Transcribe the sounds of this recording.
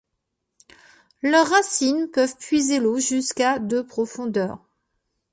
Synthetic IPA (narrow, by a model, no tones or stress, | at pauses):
lœʁːasinpœvpɥizeloʒyskad̪əpχɔfɔ̃d̪œ̰ːʁ